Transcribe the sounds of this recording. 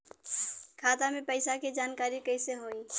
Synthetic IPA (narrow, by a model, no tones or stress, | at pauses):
kʰaːt̪amẽpəɪsaked͡ʒaːnkaːɾikəɪseɦoːĩː